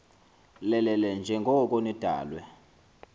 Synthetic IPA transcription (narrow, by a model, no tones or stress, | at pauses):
lɛlɛlɛnd͡ʒʱɛŋɡʱɔk̬ʼonid̥ʱa̰ːlwɛ